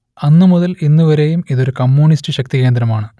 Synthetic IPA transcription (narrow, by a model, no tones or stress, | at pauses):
ɐnːɨmuðɐlinːuʋɐɾejumiðo̞ɾukɐmːuːɳistɨɕɐk̚t̪ike̞ːnd̪ɾɐmaːɳɨ